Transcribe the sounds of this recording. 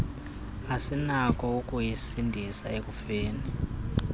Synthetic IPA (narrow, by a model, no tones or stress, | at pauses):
asinakʰʼɔukʼujisindʱisaek̬ʼufeːni